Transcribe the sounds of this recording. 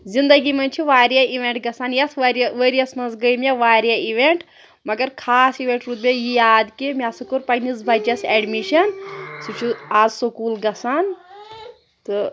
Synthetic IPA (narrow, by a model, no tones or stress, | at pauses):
zind̪ɐɡimɐnʲt͡ʃʰiʋaːɾjɐiʋeɳʈɡɐsanjɐsʋɐɾʋeɾijɐsmɐnzɡəjmʲɐʋaːɾjɐiʋeɳʈ | mɐɡɐɾkʰaːsiʋeɳʈɾut̪̚bʲejijaːd̪kimʲasukuɾpɐjnizbʱɐd͡ʒɐseɖmiʃɐnsut͡ʃʰuaːzsokuːlɡɐsan | t̪ɨ